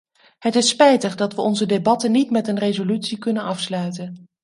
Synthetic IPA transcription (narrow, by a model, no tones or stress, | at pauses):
ɦətɪspɛjtəχdɑtʋəʔɔnzədebɑtənitmɛtənrejzolytsikɵnənɑfslœɥtən